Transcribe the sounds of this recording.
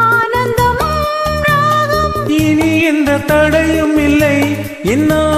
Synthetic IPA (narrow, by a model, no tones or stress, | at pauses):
aːnɐnd̪ɐmɐ | ɡaðɐ | ɪniɛnd̪ɐt̪ɐɽɐjɯmɪlːɐɪ | ɛnːaː